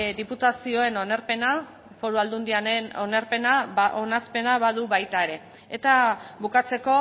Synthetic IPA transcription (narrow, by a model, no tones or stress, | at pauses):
d̪iput̪asio̞e̞nonaɾpena | fo̞ɾuald̪und̪iaenonaɾpe̞naonaspe̞naβaðuβajt̪aeɾe̞ | et̪aβukat͡se̞ko̞